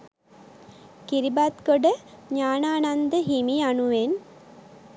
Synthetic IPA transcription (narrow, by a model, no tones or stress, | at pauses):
kiɾibat̪ɡoɖə | ɲaːnaːnand̪əɦimianuʋen